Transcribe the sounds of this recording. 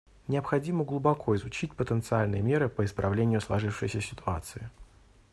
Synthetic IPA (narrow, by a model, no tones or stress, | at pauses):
nʲɪəpxɐdʲiməɡlˠʊbɐkʰo̞ɪzʊt͡ɕit̚ʲpət̪ənt̪sɨalʲnɨjəmʲe̞ɾɨpəɪspɾʔɐvlʲenʲɪjʊslˠɐʐɨfʂɨ̰jsʲəsʲɪt̪ʰʊa̰t̪sɨɪ